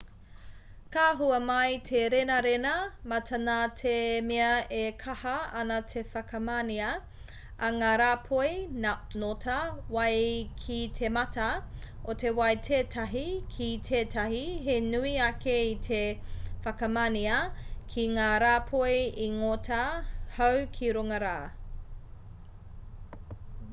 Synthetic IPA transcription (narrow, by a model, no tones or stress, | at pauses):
kaːɦuɐmɐjtʰeɾenɐɾenɐmɐtʰɐnaːtʰemeɐekʰɐhɐɐnɐtʰefɐkɐmaniɐ | ɐŋaːɾaːpʰojnotʰɐwɐjkʰitʰemɐtɐ | otewɐjtʰeːtʰɐɦikʰitʰeːtʰɐɦiɦenuiɐkeitʰefɐkɐmaniɐkʰiŋaːɾaːpʰojiŋotɐhɐwkʰiɾoŋɐɾaː